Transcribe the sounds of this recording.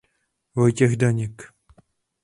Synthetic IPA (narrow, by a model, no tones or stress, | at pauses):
vojcɛɣdaɲɛk